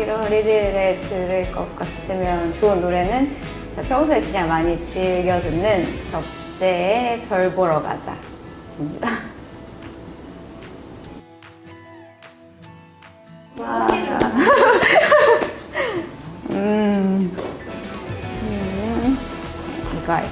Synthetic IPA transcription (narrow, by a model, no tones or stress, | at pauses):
iɾʌnɾidɯɾetɯɾɯɭk͈ʌk̚k͈atʰɯmjʌnt͡ɕoɯnːoɾe̞nɯn | t͡ɕapʰjʌŋsʰoekɯɲaŋmaɲit͡ɕiɭɡjʌd͡ʑɯnːɯnt͡ɕʌp̚ | t͡ɕ͈e̞ːpjʌɭbʌɾʌɡa̰d͡ʑa̰kɯmɲida | waa̰ | ɯ | ɯ | iɡʌ̰